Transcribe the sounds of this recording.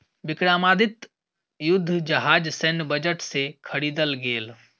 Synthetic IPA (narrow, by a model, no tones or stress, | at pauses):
bikɽamad̪it̪ | jʊd̪ʱːd͡ʒəɦad͡ʒsənbəd͡ʒəʈsekʰəɽiːd̪əlɡeːl